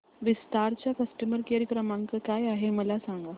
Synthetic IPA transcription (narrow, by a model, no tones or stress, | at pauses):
ʋist̪aɾt͡ɕjakəsʈəməɾkeɾjəkɾəmãŋkəkajaɦeməlasãŋɡa